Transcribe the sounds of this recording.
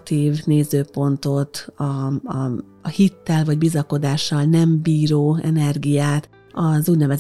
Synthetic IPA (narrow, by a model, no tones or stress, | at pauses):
t̪iːvneːzøːpo̞nt̪o̞t̪ɒ | hit̪ːɛlvɒɟbizɒko̞d̪aːʃːɒlnɛmbiːɾoːɛ̰nɛrɡijaːt̪ | ɒzuːɟnɛvɛz